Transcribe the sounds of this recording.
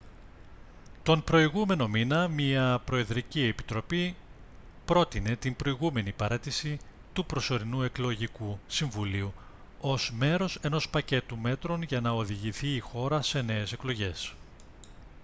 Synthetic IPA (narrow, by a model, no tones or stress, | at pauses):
t̪o̞npɾo̞iɣume̞no̞minɐmiɐpɾo̞e̞ðɾicie̞pi̥t̪ɾo̞pi | pɾo̞t̪ine̞t̪imbɾo̞iɣume̞nipɐɾet̪isi | t̪upɾo̞so̞ɾinue̞klo̞ʝikusiɱvuliu | o̞zme̞ɾo̞se̞no̞spɐce̞t̪ume̞t̪ɾo̞nʝɐnɐo̞ðiʝiθiːxo̞ɾɐse̞ne̞ese̞klo̞ʝe̞s